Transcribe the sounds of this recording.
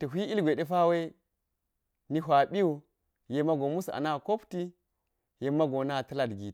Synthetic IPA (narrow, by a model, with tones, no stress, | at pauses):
tɐ˨ɦʷi˦i˦lɡʷe˨ɗe˦fa˦we˦ | ni˦ɦʷa˨ɓi˦u˨ | je˨ma˦ɡo˨mu˦sa̰˨na˦˨ko˦pti˦ | je˨mːa˦ɡo˨na˦˨tɐ˦la˨dɡi˨